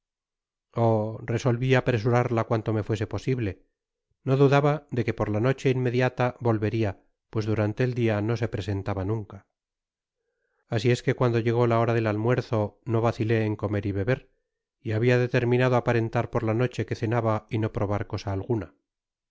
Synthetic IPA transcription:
ore̞so̞lβiapɾe̞s̬uɾaɾlakwant̪o̞me̞fwe̞s̬e̞po̞siβle̞ | no̞ðuðaβaðe̞ke̞po̞ɾlano̞t͡ʃe̞inme̞ðjat̪aβo̞lβe̞ɾia | pwe̞zðuɾant̪e̞ːld̪iano̞s̬e̞pɾe̞se̞nt̪aβanũŋka | sie̞ske̞kwand̪o̞ʝe̞ɣ̞o̞lao̞ɾaðe̞lalmwe̞ɾθo̞no̞βaθile̞ːŋko̞me̞ɾiβe̞βe̞ɾ | iaβiaðe̞t̪e̞ɾmĩnaðoapaɾe̞nt̪aɾpo̞ɾlano̞t͡ʃe̞ke̞θe̞naβaino̞pɾo̞β̞aɾko̞saːlɣuna

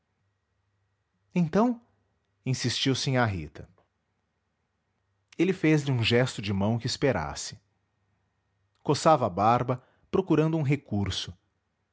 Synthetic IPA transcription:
ẽt̪ɐ̃w̃ | ĩsist͡ʃiwsẽaɦḭt̪ʰɐ | elɪfezlɪũʒɛst̪ʊd͡ʒɪmɐ̃w̃kɪːspeɾa̰sɪ̥ | kosavɐːbaɾbɐ | pɾokuɾɐ̃nd̪ʊuũɦekuɾsʊ

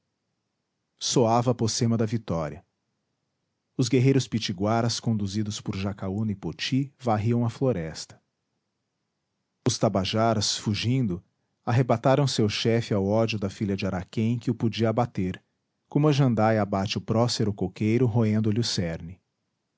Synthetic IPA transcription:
soavɐposẽmɐd̪ɐvit̪ɔɾiɐ | ʊzɡeɦejɾʊspit͡ʃiɡwaɾɐskõnd̪uzid̪ʊspʊɾʒakaunɪpot͡ʃivaɦiɐ̃w̃ɐfloɾɛst̪ɐ̥ | ʊst̪abaʒaɾɐsfuʒĩd̪ʊ | aɦebat̪aɾɐ̃w̃sewʃɛfɪawɔd͡ʒʊd̪ɐfiʎɐd͡ʒɪaɾakẽj̃kɪʊpod͡ʒiɐabat̪eɾ | kõmʊɐʒɐ̃nd̪ajabat͡ʃɪʊpɾɔseɾʊkokejɾʊɦoẽnd̪ʊlɪʊsɛɾnɪ

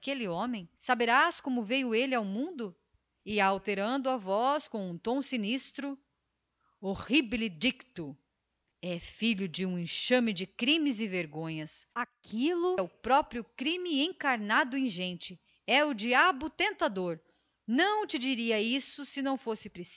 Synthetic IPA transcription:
kelɪõmẽj̃sabeɾaskõmʊvejʊelɪawmũnd̪ʊ | ɪawt̪eɾɐ̃nd̪ʊavɔskõw̃ũt̪õw̃sinist̪ɾʊ | ohiblɪd͡ʒikt̪ʊ | ɛfiʎʊd͡ʒɪũẽʃɐ̃mɪd͡ʒɪkɾĩmɪzɪveɾɡõɲɐsakʰilʊʊpɾɔpɾiʊkɾĩmɪẽkaɾnad̪ʊẽj̃ʒẽnt͡ʃɪ | ɛʊd͡ʒiabʊt̪ẽnt̪ad̪oɾ | nɐ̃w̃t͡ʃɪd͡ʒiɾiɐisʊsɪnɐ̃w̃fosɪpɾes

